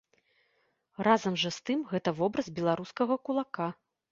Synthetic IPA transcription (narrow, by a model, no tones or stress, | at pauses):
razɐmʐɐst̪ɨmɣɛt̪ɐvɔbɾɐzbʲɛlˠaɾuskɐɣɐkulˠaka